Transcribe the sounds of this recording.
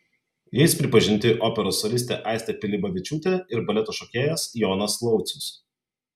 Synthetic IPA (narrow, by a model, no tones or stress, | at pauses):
jɛɪspʲɾʲɪpɐʒʲɪnʲt̪ʲɪʔɔːpʲɛɾoːsolʲɪsʲt̪ʲḛːʔɑˑɪst̪ʲɛpʲɪlʲɪbɐʋʲɪt͡ʃʲuːt̪ʲeˑɪɾbɐlʲɛt̪oːʃokʲeːjɛsjɔːnɐsklˠɒʊt̪sʲʊs